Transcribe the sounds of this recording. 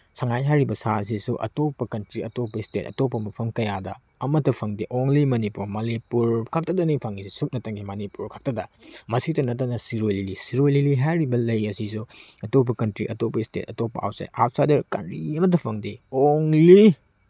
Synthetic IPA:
saŋajɦajɾibɐsaɐs̬isuʔɐ̰topːɐkɐntɾiɐtopːɐistet̚ɐ̰topːɐmɐpʰɐmkɐjadɐ | ɐmɐtːɐpʰɐŋdiʔoŋlimɐnipuɾmɐlipuɾkʰak̚tɐdɐnipʰaŋisisuk̚nɐtɐŋɡimɐnipuɾkʰak̚tɐdɐmɐsitɐnɐtːɐnɐsiɾojlilisiɾojliliɦajɾibɐlɐjɐsisuɐtop̬ːɐkɐntɾiʔɐtopɐistḛt̚ɐtopːɐ̰a̰wsḛʔawtsajdɐɾka̰nɾiɐmɐt̬ɐpʰɐŋdioŋli

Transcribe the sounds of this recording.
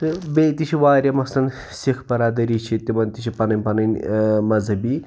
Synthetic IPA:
t̪ɨbeːt̪it͡ʃʰiʋaːɾʲjɐmɐslɐn | sikʰbɐɾaːd̪ɐɾiːt͡ʃʰit̪imɐnt̪it͡ʃʰipɐnɐnʲpɐnɐnʲmɐzɦɐbiː

